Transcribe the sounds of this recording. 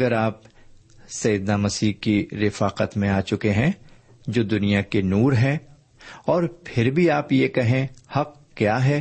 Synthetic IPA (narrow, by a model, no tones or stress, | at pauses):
ɐɡəɾaːp̚ | sɐjɪd̪namɐsiːkiɾɪfaːqət̪mẽaːt͡ʃʊkeɦɛ̃ː | d͡ʒoːd̪ʊnijakenuːɾɦɛ̃ | ɔːɾpʰɪɾbʱiaːpjekɛɦẽhɐq̚ | kjaːɦɛː